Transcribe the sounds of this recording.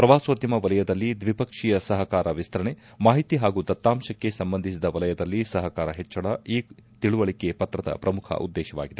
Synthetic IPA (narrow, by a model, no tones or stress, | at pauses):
pɾɐʋaːsʋod̪jɐmɐʋɐlɐjɐd̪ɐlːid̪ʋipɐkʂijɐsɐɦɐkaːɾɐʋist̪ʰɐɾɐɳe | maːɦit̪iɦaːɡud̪ɐt̪ːaːmʃɐkːe̞sɐmbɐnd̪ʱisid̪ɐʋɐlɐjɐd̪ɐlːisɐɦɐkaːɾɐɦɛt͡ʃːɐɽɐiːt̪iɭuʋɐɭikepɐt̪ɾɐd̪ɐ̰pɾɐmukʰɐ̰ʔṵd̪ːɛːʃɐʋa̰ːɡid̪e